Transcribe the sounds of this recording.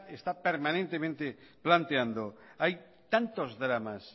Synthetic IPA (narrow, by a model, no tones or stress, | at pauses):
est̪apeɾmanẽnt̪emẽnt̪eplant̪eand̪oaj | t̪ant̪ozðɾamas